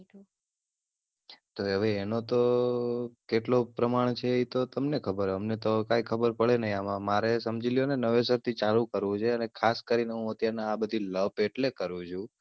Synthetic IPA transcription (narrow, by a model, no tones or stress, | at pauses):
t̪oɦəʋeːnot̪o | keʈlopɾəmaɳ̃t͡ʃʰeit̪ot̪əmnekʰəbəɾəmnet̪okajkʰəbəɾpəɭenəɦĩamãmaɾesəmd͡ʒilijonenəʋes̬əɾt̪ʰit͡ʃalũkəɾʋũt͡ʃʰeənekʰaskəɾineɦũət̪jaɾnaːbəd̪ʱiləpeʈlekəɾũt͡ʃʰũ